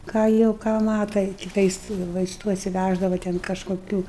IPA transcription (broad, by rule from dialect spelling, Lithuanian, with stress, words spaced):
kɑː ˈjɛʊ ˈkɑː ˈmɑːtɐ ɪ kʲɪˈtɐɪs ʋɐɪsˈtuː ɐtʲsʲɪˈʋʲæʒdɐʋɐ ˈtʲɛn kɐʃkoːˈkʲuː